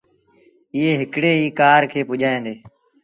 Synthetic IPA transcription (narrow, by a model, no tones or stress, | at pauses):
ɪːeːɦɪkɽeːɦiːkaːɾkʰeːpʊʄaːẽːnd̪eː